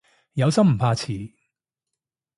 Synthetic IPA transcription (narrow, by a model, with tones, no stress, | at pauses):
jɐ˨˧wsɐ˥m̩˨˩pʰaː˧t͡sʰiː˨˩